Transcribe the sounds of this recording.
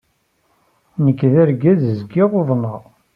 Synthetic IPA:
nəkːðæɾɡæðəzɡɪʁoðˤnɑʁ

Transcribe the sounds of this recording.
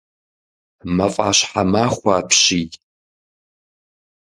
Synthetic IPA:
mɐfʼa̰ːɕħamaːχʷaːpʰɕiː

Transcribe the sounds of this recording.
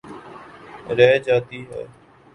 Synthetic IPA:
ɾɛːd͡ʒaːt̪iːɦɛ̰ː

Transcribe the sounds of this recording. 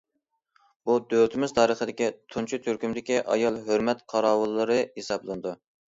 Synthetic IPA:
bud̪øwt̪ʰɪmɪzt̪ʰɑːɾəχəd̪ɪkʲit̪ʰunt͡ʃʰit̪ʰyɾkʲymd̪ɪkʲiʔɑ̰jɑlˠɦøɾmɛt̪qʰɑɾɑːwɨlˠːɨɾɨhesɑblˠɨnɨd̪u

